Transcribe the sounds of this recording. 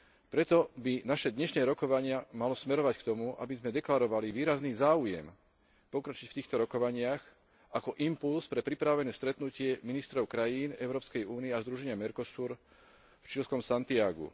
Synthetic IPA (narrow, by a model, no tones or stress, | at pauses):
pɾɛt̪ɔbinaʃɛd̪ɲɛʃnɛːɾɔkɔʋaɲɪamalɔsmɛɾɔʋackt̪ɔmuʔa̰bizmɛd̪ɛklaɾɔʋaliʋiːɾazniːzaːujɛ̰m | pɔkɾat͡ʃicft̪iːxt̪ɔɾɔkɔʋaɲɪax | akɔʔimpulspɾɛpɾipɾaʋɛnɛːst̪ɾɛt̪nucɪɛminist̪ɾɔʊkɾajiːnɛʊɾɔːpskɛjuːniɛazd̪ɾuʒɛɲɪamɛɾkɔsuːɾ | ft͡ʃilskɔmsant̪iaɡṵ